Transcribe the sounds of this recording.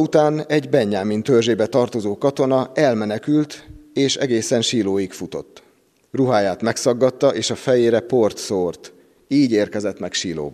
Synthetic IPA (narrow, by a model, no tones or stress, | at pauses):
ut̪aːnɛɟbɛɲːaːmint̪ørʒeːbɛt̪ɒrt̪o̞zoːkɒt̪o̞nɒɛlmɛnɛkylt̪eːʃɛɡeːsɛnʃiːloːjikfut̪o̞̰t̪ː | ruɦaːjaːt̪mɛksɒɡːɒt̪ːɒʔeːʃɒfɛjeːɾɛpo̞rt̪soːrt̪ | iːɟeːrkɛzɛt̪mɛkʃiːlo̰ːb